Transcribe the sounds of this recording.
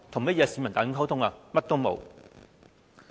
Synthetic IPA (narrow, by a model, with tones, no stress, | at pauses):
t̪ʰʊ˨˩ŋmɐ˥jɛː˨˧siː˨˧mɐ˨˩nt̪aː˨jʊ˥ŋkʰɐ˥wt̪ʰʊ˥ŋaː˨˧mɐ˥t̚t̪o˥wmo̰˨˧w